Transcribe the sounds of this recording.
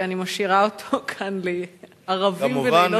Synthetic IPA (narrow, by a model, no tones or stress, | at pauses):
animaʃiʁaotʰokʰanle | aʁavimvao